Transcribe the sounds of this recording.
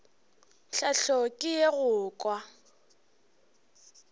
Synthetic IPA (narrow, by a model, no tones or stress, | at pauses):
ɬaɬɔkʼɪjeɣʊːkʼwa